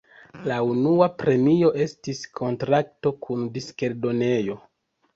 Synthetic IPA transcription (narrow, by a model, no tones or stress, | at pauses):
launuapɾe̞mio̞ʔe̞stiskʰo̞ntɾak̚to̞kʰundiske̞ɾdo̞ne̞jo̞